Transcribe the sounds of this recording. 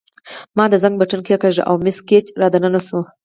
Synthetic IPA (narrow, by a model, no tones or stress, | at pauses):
mɑd̪əzaŋɡ̚baʈənkjekaʒa̰ʔa̰wmɪsket͡ʃɾɑd̪ananaʃu